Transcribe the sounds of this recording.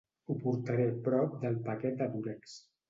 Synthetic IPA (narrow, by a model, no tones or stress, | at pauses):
upuɾt̪aɾepɾɔp̚d̪əlˠpakɛt̪̚d̪əβuɾɛks